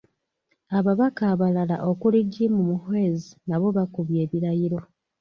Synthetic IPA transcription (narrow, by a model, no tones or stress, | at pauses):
aβaβakaːβalalaʔo̞kuliɟːimumuhwe̞ːzinaβo̞βakuβje̞ːβiɾajiɾo̞